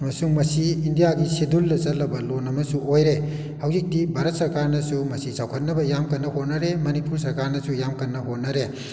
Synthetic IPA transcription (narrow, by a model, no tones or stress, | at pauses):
ɐmɐsuŋmɐsiːndijaɡisedulːɐt͡ʃɐlɐbɐlonɐmɐsuojɾe | hɐwzik̚tibʱaɾɐt̚sɐɾkaɾnɐsumɐsisʰawkʰɐt̚nɐbɐjamkɐnːɐhot̚nɐɾemɐnipuɾs̬ɐɾkaɾnɐsujamkɐnːɐɦot̚nɐɾe